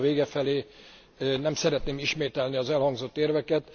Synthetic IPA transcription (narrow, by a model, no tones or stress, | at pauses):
veːɡɛfɛleː | nɛmsɛɾɛt̪neːmiʃmeːt̪ɛlniɒzɛlhɒŋɡzo̞t̪ːeːrvɛkɛt̪